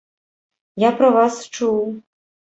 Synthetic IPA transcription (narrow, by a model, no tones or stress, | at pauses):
japɾɐvast͡ʂuw